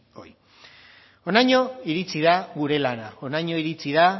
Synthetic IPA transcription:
oj | o̞najɲo̞iɾit͡siðaɣuɾe̞lanao̞naɲo̞iɾit͡siða

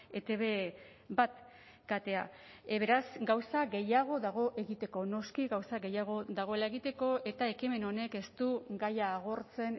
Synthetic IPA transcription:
e̞t̪eβe | bat̪ | kat̪e̞a | βe̞ɾasɡawsaɡe̞jaɣ̞o̞ðaɣ̞o̞ʔe̞ɣit̪e̞ko̞no̞skiɣawsaɡe̞jaɣ̞o̞ðaɣ̞o̞e̞lae̞ɣit̪e̞ko̞ʔe̞t̪ae̞kime̞no̞ne̞ke̞st̪uɡajaːɣo̞ɾt͡se̞n

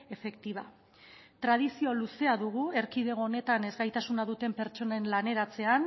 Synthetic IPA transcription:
e̞fe̞kt̪iβ̞a | t̪ɾað̞isio̞luse̞aðuɣue̞ɾkiðe̞ɣo̞ːne̞t̪ane̞zɣajt̪asunaðut̪e̞mpe̞ɾt͡ʃo̞naenlane̞ɾat͡se̞an

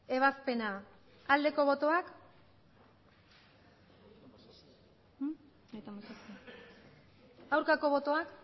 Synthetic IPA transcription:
e̞β̞aspe̞naː | ld̪e̞ko̞βo̞t̪o̞ak | ajt̪amosase | awɾkako̞β̞o̞t̪o̞ak

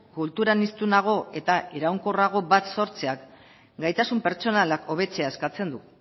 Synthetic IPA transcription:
kult̪uɾanist̪unaɣ̞o̞e̞t̪aeɾawŋko̞raɣ̞o̞bat̪so̞ɾt͡seak | ɡajt̪asumpe̞ɾt͡so̞nalakʰo̞β̞e̞t͡se̞ae̞skat͡se̞nd̪u

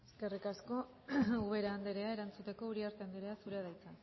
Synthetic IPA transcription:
eske̞rikasko̞ | uβe̞ɾaːnd̪eɾe̞ae̞ɾant͡sut̪e̞ko̞uɾiaɾt̪eand̪eɾeasuɾeaðajt͡sa

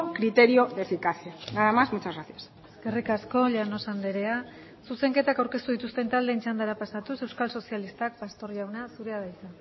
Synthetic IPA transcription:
kɾit̪e̞ɾioefikasianaɾamazmut͡ʃazɣaθias | eskerikasko̞ʎano̞sand̪eɾe̞a | suse̞ŋke̞t̪akawɾke̞st̪uðit̪ust̪e̞nt̪ald̪ent͡ʃand̪aɾapasat̪use̞wskalso̞sialist̪ak̚past̪o̞ɾjiawnasuɾe̞aðajsan

